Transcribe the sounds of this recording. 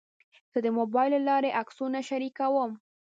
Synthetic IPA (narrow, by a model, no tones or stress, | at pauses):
z̥əd̪əmobɑjllɑɾeʔaksunaʃaɾikawəm